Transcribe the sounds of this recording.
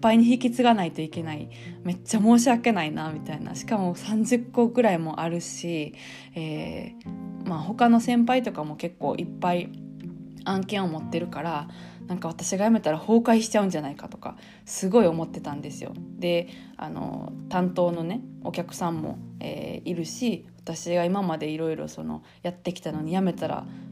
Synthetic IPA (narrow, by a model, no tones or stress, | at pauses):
ipːaiɲ̟içikʲit͡sɨɡanait̪o̞ike̞nai | me̞t͡ɕːamo̞ːɕ̬iake̞nainamʲit̪aina̰ɕi̥kamo̞sãɲ̟d͡ʑɨkːo̞ɡɯ̟ɾaimo̞ʔaɾɯ̟ɕi | eː | maːho̞kano̞sẽ̞mpait̪o̞kamo̞ke̞kːo̞̰ːʔipːai | ãŋkẽ̞ɰ̃o̞mo̞t̪ːe̞ɾɯ̟kaɾanãŋkaβ̞at̪aɕiɡajame̞t̪aɾaho̞ːkaiɕi̥t͡ɕaɯ̟̃ɲ̟d͡ʑanaikat̪o̞̥ka̰ | sɨɡo̞io̞mo̞t̪ːe̞t̪ãnd̪e̞sɨjo̞̰d̪e̞ | a̰no̰t̪ãnt̪o̞ːno̞ne̞o̞̰kʲakɯ̟̥sãmːo̞̰ḛːiɾɯ̟ɕiβat̪aɕiɡaimamad̪e̞iɾo̞iɾo̞̰so̞no̞̰ | jat̪ːe̞kʲi̥t̪ano̞ɲ̟ijame̞t̪aɾa̰